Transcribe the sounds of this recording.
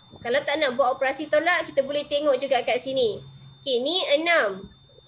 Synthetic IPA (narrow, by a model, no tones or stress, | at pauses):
kalawt̪aʔnaʔbuat̪opɾasit̪olaʔkit̪abolɛht̪eŋɔʔd͡ʒuɡakaʔ̪sinĩkenĩənãm